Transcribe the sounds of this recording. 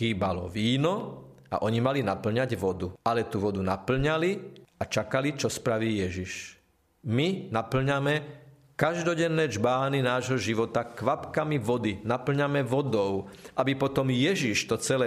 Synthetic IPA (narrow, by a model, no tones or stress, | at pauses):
xiːbalɔ̰ʋiːnɔ | a̰ʔɔɲimalinapl̩ɲaɟʋɔd̪ualɛt̪uʋɔd̪unapl̩ɲaliat͡ʃakalit͡ʃɔspɾaʋiːjɛʒiʃ | minapl̩ɲamɛ | kaʒd̪ɔɟɛnːɛːd͡ʒbaːninaːʒɦɔʒiʋɔt̪akʋapkamiʋɔd̪inapl̩ɲamɛʋɔd̪ɔʊʔabipɔt̪ɔmjɛʒiʃt̪ɔt͡sɛlɛ